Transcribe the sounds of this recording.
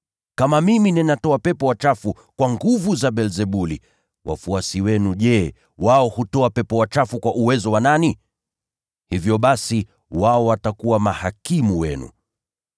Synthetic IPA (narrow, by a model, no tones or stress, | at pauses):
kamamiminɛnatɔapɛpɔwat͡ʃafu | kwaŋɡuvuzaɓɛlzɛɓuli | wʔa̰fuasiwɛnuʄɛ | waɔhutɔapɛpɔwat͡ʃafukwaʔuwɛzɔwanani | hivjɔɓasi | waɔwatakuwamahakimuwɛnṵ